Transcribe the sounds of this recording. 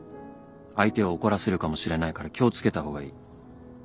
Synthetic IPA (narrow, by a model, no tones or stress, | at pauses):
ait̪e̞o̞ːko̞ɾase̞ɾɯ̟kamo̞ɕiɾe̞naikaɾakʲo̞ːt͡sɨ̥ke̞t̪aho̞ːɡaḭː